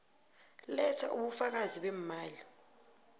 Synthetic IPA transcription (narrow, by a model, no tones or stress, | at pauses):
lɛtʰaʔuɓufak̬aziɓɛmmaːli